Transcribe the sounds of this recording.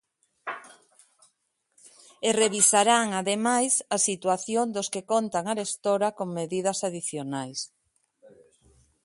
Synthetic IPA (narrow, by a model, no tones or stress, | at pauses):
ereβisaɾaŋaðemajsɐsit̪waθjoŋd̪ʊskekont̪aŋaɾest̪oɾakoŋmeðið̞ɐsaðiθjonajs